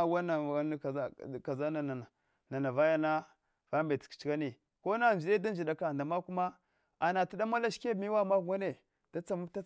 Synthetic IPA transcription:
a˦wa˦na˨˦˨ka˨za˦na˨na˨na˨ | na˨na˨va˦ja˦na˦ | va˦mbe˨ti̥˨kt͡ʃi˦ka˦ni˨ | ko˦na˦˨n˨i˨de˦da˦nd͡ʒi˨da˨ka˨nda˨ma˦ku˦ma˦ | a˨na˨ti˦da˦ma˦la˦ʃke˦mi˦wa˦˨ma˦˨ɡʷa˦ne˨ | d̥a˦t͡sa˨mu˦ta˦

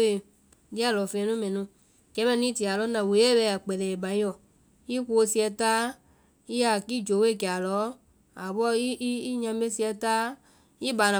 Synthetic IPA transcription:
e˨ | di˦a˦˨lɔ˨fẽ˧ɛ̃˧nũ˦mɛ̃˨nũ˨˦ | kɛ˨˦mɛ̃˦˧˨nĩ˦ti˨a˨lɔ˨˦nã˨wo˨˦e˦bɛ˧˦˨a˨k͡pɛ˨lɛ˨bã˨˦ɔ˨ | i˦ko˧si˧˦ɛ˧taː˦ | i˦a˨ki˦d͡ʒo˨˦we˦˨kɛ˨a˨lɔ˨˦ | a˨bɔ˦i˦ɲã˧mbe˦si˧ɛ˧taː˦ | i˦baː˨nã˨

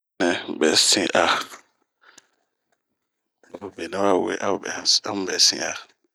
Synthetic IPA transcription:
ɛ̃˨bɛ˨sĩ˦ʔa˨ | o˨be˨nɛ̃˦wa˦˨wḛ˨˦ʔa˦˨bɛ̰˨˦a˦m˦bɛ˨sḭ̃˦a̰˨

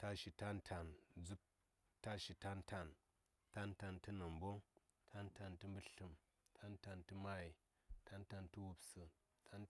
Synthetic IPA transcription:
ta˧ʃi˧ta˦n˦tʰa˧nd͡zu˦p̚ | ta˦ʃi˧ta˦n˦tʰa˧n | ta˦nta˧ntɨ˦nɐ˨mbo˦ŋ | tʰa˦n˦ta˧ntɨ˧mbɨ˦ɬɨ˧m | tʰa˦nta˧ntɨ˧ma˧i˨ | tʰa˦nta˧ntu˦wu˨˧psɨ˧ | tʰa˦n

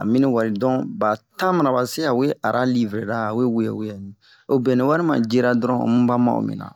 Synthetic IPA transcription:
a̰˨mĩ˦ni˦wa˨ɾi˨dɔ̃˦ba˨ta˦ma˨na˨ba˨se˦a˨we˦a˨ɾʔa˦li˦vɾe˨da˦a˨we˦we˨ja̰˨we˦a˨nĩ˨ | o˦bɛ̃˨ni˨wa˦ɾi˦mã̰˨d͡ʒe˦ɾa˦dɾɔ̃˦o̰˨mũ˦ba˦ma̰˦o̰˨mḭ̃˨nã̰˨

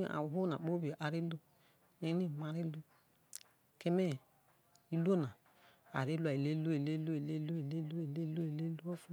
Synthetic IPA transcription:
a̰˨ɦo˦na̰˨k͡po˦bi˨ʔa˨ɾi˦lo˦ | ne˦ni˦˨ma˨ɾi˦lu˦ | ke˦me˦˨ | i˦lo˦na˨ | a̰˨ɾi˦lu˦a˨i˨le˦lo˦i˨le˦lo˦i˨le˦lo˦i˨le˦lu˦i˨le˦lo˦i˨le˦lu˦o˦fu˦

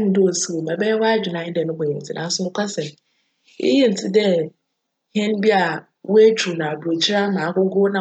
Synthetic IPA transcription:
n̩˦do˦o˨si˨o˨mɛ̃˨bɛ˦wɔ˦a˦d͡ʑᶣɪ˨nã˨˦dɛ˨nʊ̃˦bɔ˨ɪ̃˨n̩˨tʰɪ˨nʔã̰˨˦sʊ˦nʊ̃˦kʰʷa˦sɛ˨m | ɪ̰˦je˦n̩˨tʰɪ˦dɛ˦ | hɛ̃˦n˦bi˦a˨ | wʊ˦æ˦t͡ɕʰᶣu˨nã˨a˨du˨o˨t͡ɕʰi˦ɾa˦mãː˨˦ɡʊ˦ɡʊ˦nã˨

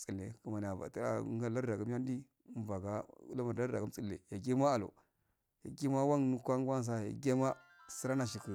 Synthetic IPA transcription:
t͡si˨lːḛ˨ku˨ma˨n˨a˨va̰˨ta̰˨˦ɡa˦la˦ɾda˨ɡa˦m˦a˦n˦di˦ | m˦va˨ɡa˦ṵ˦la˦ma˨da˦ɾda˨ɡa˦t͡si˦lːḛ˨ja˨ɡi˦ma˦a˨lo̰˨ | ja˨ɡi˦ma˦wa˦nnu˦kʷa˦ɡʷa˦n˨s̬a˦˨ja̰˨ɡe˦ma˦si˦ɾa˦na˨ʃ̬i˨ki˨

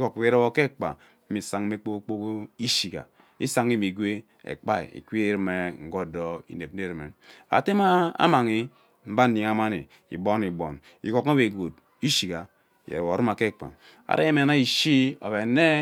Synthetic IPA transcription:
ko˨ke˦ɾe˦bo˦ke˦˨k͡pa̰˨ | m̩˦i˨sa˨ŋ˦e˦k͡po˦kk͡po˦ko˦i˦ʃi˨ka̰˨ | ḭ˦sa˦ŋi˦˨mi˨ɡʷe˦ | ḛ˨k͡pa˦ḭ˨ḭ˨kʷi˦e˦˨˦ɾi˨me˨ŋ̩˦ɡo˦do˦ḭ˨ne˨p̚n˦e˦˨ɾi˨me˨a̰˨te˦ma˦a̰˦ma˨ŋi˦ | m̩˦ba˦n̩˦ni˨ŋ˨a˦ma˦nḭ˨ | ḭ˨bo˦ni˨bo˨n | ḭ˨ko˦ka˦be˨ɡo˨t̚ | i˦ʃi˨ka˨ | jḛ˨ɾo˨ɾi˦ma˨ke˦˨k͡pa̰˨ | a̰˨ɾḛ˦je˦me˨na˦i˨ʃi˦o̰˨be˨ne˦

